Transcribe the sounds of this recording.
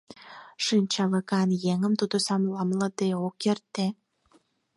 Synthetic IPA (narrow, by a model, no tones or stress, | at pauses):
ʃinʲt͡ɕɑləkɑnjeŋəmt̪ud̪osɑmlɑmləd̪eokert̪e